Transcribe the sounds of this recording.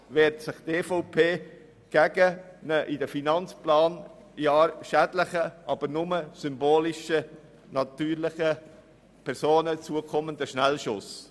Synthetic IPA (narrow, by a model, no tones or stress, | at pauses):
ʋɛːtsɪχt̪eːfɔʊpʰeː | ɡ̥ɛɡənəʔɪdəfinɑnt͡splɑːn | jɑːɾʃædlɪχəʔɑb̥əɾnʊməsʏmboːlɪʃə | nɑt̪yːɾlɪχə | pʰɛɾsoːnət͡suəkʰɔmənd̪əʃnɛlʃʊs